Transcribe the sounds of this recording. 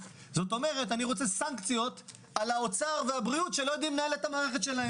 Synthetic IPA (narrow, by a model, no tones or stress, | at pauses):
zo̞t̪o̞me̞ʁe̞taniʁo̞t͡se̞saŋkt͡sijo̞t̪ | alaot͡saʁveabʁiutʃe̞lojd̪imnaeletamaːʁeχet̪ʃelahe